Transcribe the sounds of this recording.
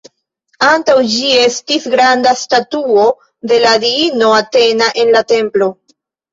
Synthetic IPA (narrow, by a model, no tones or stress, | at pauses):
antawd͡ʒie̞stisɡɾandastatuo̞ | de̞ladiino̞ate̞naʔe̞nlate̞mplo̞